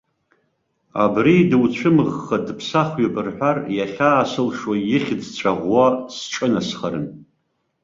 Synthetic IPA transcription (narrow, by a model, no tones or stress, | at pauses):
a̰bridɨwt͡ɕʷʰɨmɨʁːadpʰsaχʷɥabɨrħʷᶣarjaχʲaːsɨlʂwajɪχʲdt͡ɕʷʰaʁʷwasʈ͡ʂʼɨnasχaɾɨ̰n